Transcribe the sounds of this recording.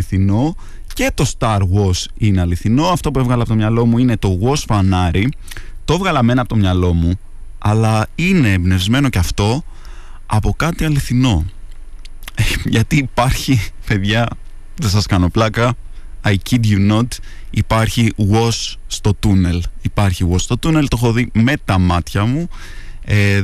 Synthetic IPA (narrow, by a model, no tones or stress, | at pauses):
iθino̞ | ce̞t̪o̞st̪ɐɾɣo̞sine̞ɐliθino̞ɐft̪o̞pue̞vɣɐlɐpo̞t̪mɲɐlo̞muine̞t̪o̞ɣo̞sfɐnɐɾi | t̪oevɣɐlɐme̞nɐːpo̞t̪omɲɐlo̞mu | ɐlɐine̞ːbne̞vzme̞no̞ceɐft̪o̞ | ɐpo̞kɐt̪iɐliθino̞ | ʝɐt̪iːpɐɾçipe̞ðʝɐ | ðe̞sɐskɐno̞plɐkɐɐjcid̪ʝuno̞t̪ | ipɐɾçiɣo̞sːt̪o̞t̪une̞lipɐɾçiɣo̞sst̪o̞t̪une̞lt̪o̞xo̞ðime̞t̪ɐmɐt̪çɐmu | e